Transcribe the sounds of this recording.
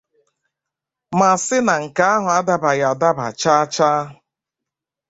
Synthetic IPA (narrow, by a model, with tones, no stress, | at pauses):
ma˨sɪ˦na˨ŋ̩˨ka˨˦a˦ɦʊ˨a˦da˦ba˨ja˨da˦ba̰˨t͡ʃa˦t͡ʃaː˦ɦ